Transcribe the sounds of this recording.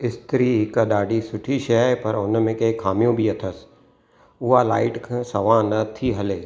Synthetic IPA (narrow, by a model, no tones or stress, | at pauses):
ɪst̪ɾiɦɪkəɗaːɖisʊʈʰiʃɛpɐɾʊnmẽkɐɪkʰaːmijõbʱiɐt̪ʰəs | ʊɦala̰ːɪʈkʰãsɐʋãnɐt̪ʰiɦɐleː